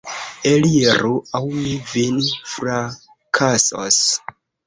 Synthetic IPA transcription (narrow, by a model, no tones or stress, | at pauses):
elieɾuawmivinfɾa | kʰaso̰s